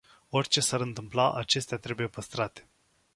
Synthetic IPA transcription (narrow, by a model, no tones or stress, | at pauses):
o̞rʲt͡ʃe̞saɾɨnt̪ɨmplaʔat͡ʃe̞st̪eat̪ɾe̞buje̞pəst̪ɾat̪e̥